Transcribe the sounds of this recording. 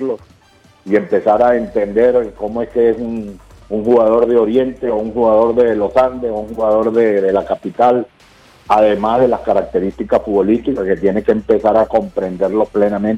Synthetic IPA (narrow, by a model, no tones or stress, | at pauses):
los | ie̞mpe̞saɾae̞nt̪e̞nd̪e̞ɾko̞moe̞ske̞esun | uŋxuɣaðo̞ɾðeo̞ɾje̞nt̪e̞ouŋxuɣað̞o̞ɾðe̞lo̞sand̪ɾesouŋhuɣaðo̞ɾðeðe̞lakapit̪al | aðe̞mazðe̞laskaɾak̚t̪e̞ɾist̪ikasfuβo̞list̪ikake̞t̪je̞nekeːmpe̞saɾako̞mpɾe̞nd̪e̞ɾlo̞sple̞namẽn